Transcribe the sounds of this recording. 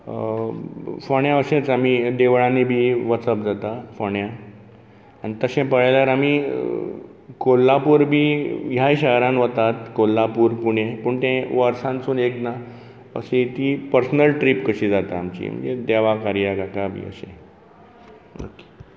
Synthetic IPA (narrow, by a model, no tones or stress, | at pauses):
foɳjaəɕẽt͡samid̪eʋɭãnibʱiːʋət͡səpd͡zat̪afoɳja | anit̪əɕẽpəɭajljaɾami | kolːapuːɾbʱiːjaiɕəɦɾãnʋət̪at̪kolːapuːɾpuɳẽpəɳt̪ẽʋəɾsãnt͡suːnekna | ə̰sẽt̪ipəɾsnəlʈɾiːpkəɕid͡zat̪aːmt͡ɕḭm̤ə̰ɳd͡zḛd̪ɛʋakaɾijakakabʱḭːə̰ɕḛ̃ | əkːi̥